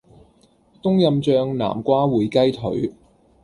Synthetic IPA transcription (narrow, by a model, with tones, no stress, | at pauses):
t̪ʊ˥ŋjɐ˨˧mt͡ʃœː˧ŋna̰ː˨˩mkʷaː˥wuː˨˧jkɐ˥jt̪ʰɵ̰˨˥ɥ